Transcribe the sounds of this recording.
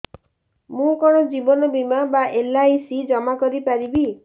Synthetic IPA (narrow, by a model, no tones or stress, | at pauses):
mũkɔɽ̃ɔd͡ʒibɔnɔbimabaʔelaisid͡ʒɔmakɔɾipaɾibi